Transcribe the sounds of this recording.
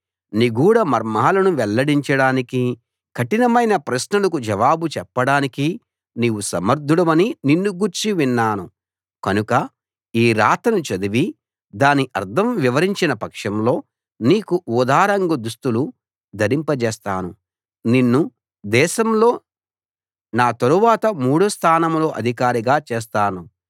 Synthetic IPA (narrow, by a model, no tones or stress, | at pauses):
niɡuːɽɐmɐɾmaːlɐnuʋɛlːɐɽiɲt͡ʃɐɽaːniki | kʰɐʈinɐmɐjnɐpɾɐsnɐlɐkud͡ʒɐʋaːbut͡ʃɛpːɐɽaːniki | niːwusɐmɐɾd̪ʱuɽɐmɐnininːuɡuɾt͡ʃiʋinːaːnu | kɐnukɐ | iːɾaːt̪ɐnut͡ʃɐd̪uʋi | d̪aːniʔɐɾt̪ʰɐmʋiʋɐɾiɲt͡ʃinɐpɐkʂɐmlo̞ː | niːkuud̪aːɾɐŋɡud̪ust̪ulu | d̪ʱɐɾimpɐt͡ʃɛːst̪aːnu | ninːu | d̪ɛːʃɐmlo̞ː | naːt̪ɐɾuʋaːt̪ɐmuːɽust̪ʰaːnɐmlo̞ːʔɐd̪ʱikaːɾiɡaːt͡ʃeːs̬t̪aːnu